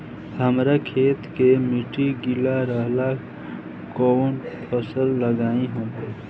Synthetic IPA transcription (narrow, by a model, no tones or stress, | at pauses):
həmɾakʰeːt̪kemiʈiɡilaɾəɦla | konpʰəsəlːəɡaːĩɦõː